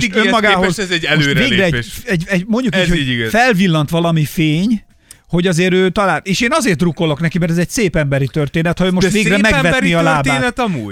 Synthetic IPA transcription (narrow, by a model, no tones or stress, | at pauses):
ømːɒɡaːɦozɛzɛɛløːveːɡrɛɛɟʃɛɟɛɟmo̞ɲɟjukiːchoiɡɛfɛlvilːɒnt̪ʋɒlɒmifeːɲ | ho̞ɟɒzeːɾøːt̪ɒlaːt̪eːʃeːnɒzeːrt̪ruko̞lo̞knɛkimɛrt̪ɛzɛɟseːpɛmbɛɾit̪ørt̪eːnɛt̪homot̪ʋeːɡrɛːmɛvɛniɒlaːb̪aːnɛt̪ɒmuː